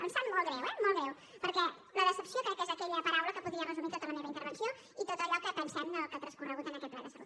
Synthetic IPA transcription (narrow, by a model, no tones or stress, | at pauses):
pənsɛmmolˠɣɾɛwɛmolˠɣɛw | pəɾkɛ | ləðəsəpsiokɾɛtkːezəkɛʎəpəɾawləkəpuðiərəzumik̪ət̪umənelɐəint̪əɾβənsio | it̪ot̪əʎɔkəpənsɛməlˠkət̪ɾəskurəɣut̪ənəkɛt̪plaðəsəβu